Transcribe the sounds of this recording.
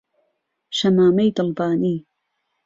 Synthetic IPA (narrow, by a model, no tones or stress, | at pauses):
ʃɐmaːmejd̪ɨlbaːniː